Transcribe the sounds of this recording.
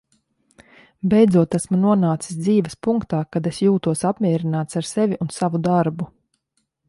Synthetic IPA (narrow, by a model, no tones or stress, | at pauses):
bɛjd̪zuɔt̪æsmunuɔnaːt̪si̥sd̪ziːvɐspuŋkt̪aːkad̪esjuːt̪uɔsapmʲiɛɾinaːt̪saɾsevʲiʔunsavud̪aɾbu